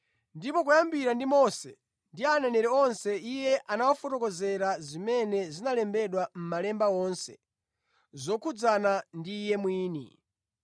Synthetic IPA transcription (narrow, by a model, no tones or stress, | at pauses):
ndipɔk̬ujambiɾandimɔsɛ | ndiananɛɾɛɔnsɛijɛʔanawɔfɔtɔkɔzɛɾazimɛnɛzinalɛmbɛɗwam̩malɛmbaɔːnsɛ̰ | zɔkʰud͡zanandiːjɛmwiːnḭ